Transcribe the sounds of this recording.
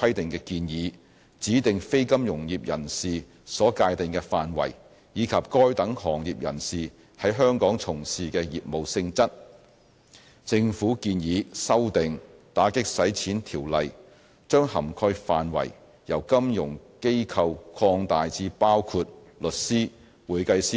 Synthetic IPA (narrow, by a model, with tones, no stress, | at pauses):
kʰɐ˥jt̪ɪ˨ŋkɛː˧kiː˧njiː˨˦ | t͡siː˨˥t̪ɪ˨ŋfe˥jkɐ˥mjʊ˨˩ŋjiː˨p̚jɐ̰˨˩nsiː˨ | sɔː˨˥kaː˧jt̪ɪ˨ŋkɛ˧faː˨nwɐ̰˨˩j | jiː˨˧kʰɐ˨p̚kɔː˥jt̪ɐ˨˥ŋhɔː˨˩ŋjiː˨p̚jɐ̰˨˩nsiː˨ | hɐ˨˥jɦœː˥ŋkɔː˨˥ŋt͡sʰʊ˨˩ŋsiː˨kɛː˧jiː˨p̚mo˨wsɪ˧ŋt͡sɐ˥t̚ | t͡sɪ˧ŋfuː˨˥kiː˧njiː˨˥sɐ˥wt̪ɪ˨ŋt̪aː˨˥kɪ˥k̚sɐ˨˥jt͡sʰiː˨˥nt̪ʰiː˨˩wlɐ˨j | t͡ʃœː˥ŋhɐ̰˨˩mkʰɔ˧jfaː˨nwɐ̰˨˩j | jɐ˨˩wkɐ˥mjʊ˨˩ŋke˥jkʰɐ˨˧wkʰɔː˧ŋt̪aː˨jt͡siː˨˧paː˥wkʰuː˧t̚lɵ˨t̚siː˥ | wuː˨˩jkɐ˧jsiː˥